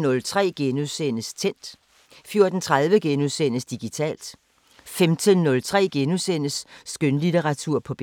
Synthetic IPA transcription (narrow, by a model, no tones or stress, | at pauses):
nɔ̽lt͡sʰʁɛ̰ːɡ̥enusen̰əst͡sʰen̰d̥ | fjo̝ɐd̥n̩t͡sʰʁaðˠʋəɡ̥enuðˠsen̰əsd̥iɡ̥it͡sʰɛ̰ːld̥ | femt͡sʰe̝lnɔ̽lt͡sʰʁɛ̰ːɡ̥enusen̰əsːɡ̥ønlit͡seʁɑ̈t͡sʰuɐ̰pʰɒ̽b̥